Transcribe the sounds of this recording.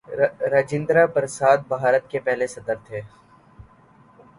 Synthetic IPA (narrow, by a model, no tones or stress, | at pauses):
ɾɐd͡ʒɪ̃nd̪ɾapəɾsaːd̪̚bɦaːɾət̪kepɛɦlesɐd̪əɾt̪ʰeː